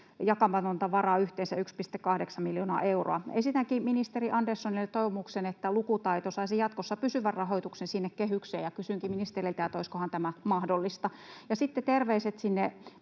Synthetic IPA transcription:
jɑkɑmpɑnont̪ɑʋɑrɑyht̪eːnsæykspist̪ekːɑhdeksɑmiljoːnɑ̰ʔeuro̰ɑesit̪æŋkiminist̪eriʔɑndersːonilet̪oiʋomuksenet̪ːælukut̪ɑit̪osɑisijɑt̪kosːɑpysyʋærrɑɦoit̪uksensinːekkeɦyksḛːjɑkysyŋkiminist̪erilt̪æːt̪oiskohɑnt̪æmæmɑhdolːist̪ɑjɑsit̪ːet̪erʋeiset̪sinːe

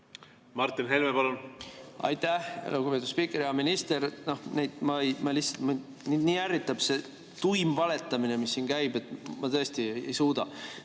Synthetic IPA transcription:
mɑrt̪ːˑinɦelmepɑlunɑ̰jt̪ːæhlukupe̞t̪ud̥̪spikːˑeɾiɑminist̪e̞ɾno̞hnejd̪̥mɑejmɑlihtsɑt̪mɑ | niniːærːit̪ːˑɑb̥se̞ | t̪ujmvɑle̞t̪ːˑɑmine̞misːiːnkæjbe̞t̪ːmɑt̪ɤest̪ieḛjsuːd̪̥ɑ

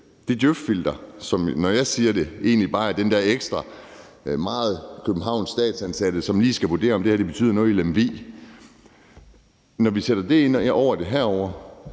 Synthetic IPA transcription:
d̥e̝d̥jøffil̰d̥ɐsɒ̽mnɒjɑ̈ɪsiːɐd̥e̝e̝ːnlib̥ɑ̈ːæɐd̥end̥ɛɐeɡ̥sd̥ʁɑ | mɑ̈ːð̞̩ˠkʰøb̥m̩ɦɑ̈ʊ̰nsːd̥ɛ̰ːd̥sænsæd̥əsɒ̽mliːsɡ̥æʋud̥e̝̰ːɐɒ̽md̥e̝hæɐd̥e̝b̥e̥y̰ːðˠɐnɔ̽ːð̩ˠelemʋe̝̰ː | nɒʋiseɾ̥ɐd̥e̝e̝nɒʊ̰ɐd̥e̝ɦæɐ̰ɒʊ̰ɐ

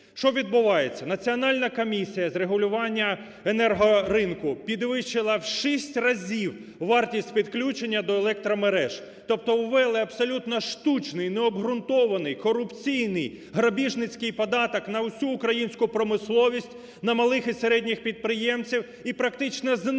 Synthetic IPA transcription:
ʃt͡ʃɔʋʲid̪̚bʊʋɑjet͡sʲːɐnɐt͡sʲiɔnɑlʲnɐkɔmʲisʲijɐzɾeɦʊlʲʊʋɑnʲːɐ | enɛrɦɔrɪnkʊpʲid̪ʋɪʃt͡ʃɪlˠɐwʃisʲtʲrɐzʲiw | ʋɑrtʲisʲtʲpʲid̪klʲut͡ʃenʲːɐd̪ɔelˠɛk̚t̪ɾɔmeɾɛʒ̥ | t̪ɔp̚t̪ɔwʋɛlˠɪɐbsɔlʲut̪nɔʃt̪ut͡ʃnɪjnɛɔbɦɾʊnt̪ɔʋɐnɪjkɔɾʊpt͡sʲijnɪj | ɦɾɐbʲiʒnɪt͡sʲkɪjpɔd̪ɑt̪ɔknɐʊsʲuːkɾɐjinʲsʲkʊpɾɔmɪslˠɔʋʲisʲtʲ | nɐmɐlˠɪxiseɾɛdʲnʲixpʲid̪̚pɾɪjɛmt͡sʲiw | ipɾɐkt̪ɪt͡ʃnɔz

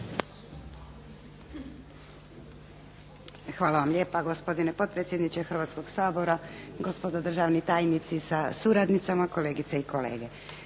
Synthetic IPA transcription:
xʋaːlaʋamʎeːpaɡospod̪ine̞pot̪̚pɾet̪je̞d̪nit͡ʃexr̩ʋaːt̪sko̞ɡsaːbo̞ɾaɡo̞spod̪od̪r̩ʒaːʋnit̪aːjnit̪sisasuɾad̪nit̪samako̞le̞ːɡit̪seiko̞le̞̰ːɡe̞

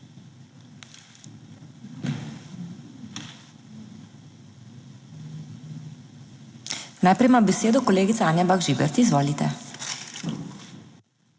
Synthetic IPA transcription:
najpɾɛjmambɛseːd̪ɔkɔleːɡit̪saaːnjabaɡʒibɛɾt̪iizʋoːlit̪ɛ̰

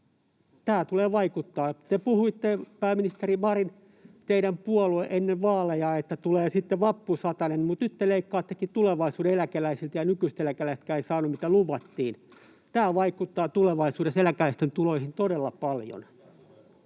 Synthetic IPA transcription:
t̪æːt̪uleːʋɑikut̪ːɑːt̪epuhuit̪ːepæːminist̪erimɑrin | t̪eiɾæmpuolueʔenːeʋʋɑːlejɑːet̪ːæt̪uleːsit̪ːeʋɑpːusɑt̪ɑnenmut̪nyt̪ːeleikːɑːt̪ːekit̪uleʋɑisuːdeelækelæisilt̪jɑnykyst̪elækælæist̪kæːeisɑːnummit̪æluʋɑt̪ːiːn | t̪æːʋɑikut̪ːɑːt̪uleʋɑisuːɾeselækæist̪ent̪uloihint̪odelːɑpɑljo̰n

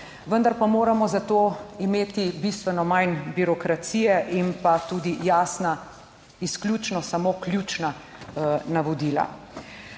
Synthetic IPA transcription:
ʋənd̪aɾpamoːɾamɔzat̪oːimeːt̪ibist̪ʋɛnɔmajnbiɾɔkɾat̪siːjɛʔimpat̪uːd̪ijaːsna | isklʲjuːt͡ʃnɔsamoːkljuːt͡ʃna | naʋɔd̪iːla̰

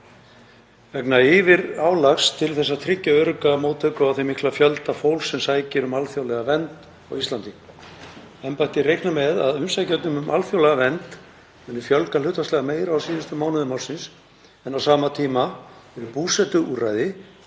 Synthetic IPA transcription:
vɛknaɪvɪɾaːwlaxst̪ʰɪlθɛs̬ːat̪ʰɾɪcːaœɾʏkamoːwt̪ʰœːkʏawθejmihklafjœlt̪afowlsːɛmsaːjcɪɾʏmalfjowlɛɣavɛnt̪ | a̰wist̪ant̪i | ɛmpajt̪ɪrejknamɛða̰ðʏmsajcɛt̪nʏmʏmʔa̰lfjowlɛɣavɛnt̪ | ɛnːɪ̥fjœlkalʏht̪aslɛɣameːjɾaawsiːðʏst̪ʏmaːwnʏðʏmawr̥sɪns | ɛnawsaːmat̪ʰiːmaɛɾʏpuːsɛt̪ʏuːrajðɪ

